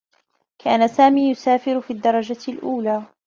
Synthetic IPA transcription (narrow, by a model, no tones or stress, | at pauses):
kʰaːnasaːmiːjʊsaːfɪɾfiːd̪ːɑɾˤɑd͡ʒalʔuːlaː